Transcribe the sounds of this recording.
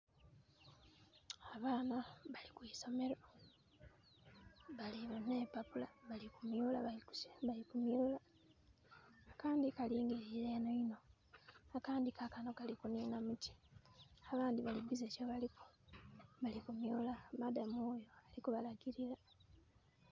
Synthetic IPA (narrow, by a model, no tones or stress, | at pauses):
aβaːnaβalikwiːso̞me̞ɾo | βaliβeneːpapulaβalikumjulaβaiku̥sβaikumjula | kaːndikaliːŋɡeɾileno̞ino̞ | akaːndikʰakano̞kalikuniːnamuti̥aβaːndiβaliβizecoβaliko̥ | βalikumjulamadamujoalikuβalaɡiɾiɾa